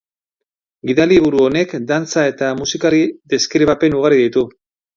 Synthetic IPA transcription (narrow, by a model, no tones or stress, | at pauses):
ɡiðaliβ̞uɾuo̞ne̞kd̪ant͡sae̞t̪amusikaɾiðe̞skɾiβ̞ape̞nuɣ̞aɾiðit̪u